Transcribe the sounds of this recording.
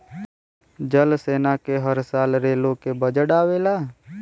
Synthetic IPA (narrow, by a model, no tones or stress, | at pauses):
d͡ʒəlseːnakeɦəɾsaːlɾeːlõkebəd͡ʒəɽaːweːlaː